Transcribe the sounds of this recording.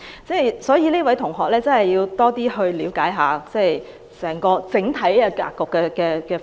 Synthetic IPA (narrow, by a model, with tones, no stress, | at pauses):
t͡sɛ˥˩jsɔː˨˥jiː˨˧leː˥wɐ˨˥jt̪ʰʊ˨˩ŋɦɔː˨k̚lɛː˥t͡sɐ˥nhɐ˨jiː˧wt̪ɔː˥t̪iː˥ɦɵ˧ɥliː˨˥wkaː˨˥jɦaː˨t͡sɛ˥˩j | sɛː˨˩ŋkɔː˧t͡sɪ˨˥ŋt̪ʰɐ˨˥ja˧ka̰ː˧kːɔː˨˧kːɛː˧kɛː˧kɛː˧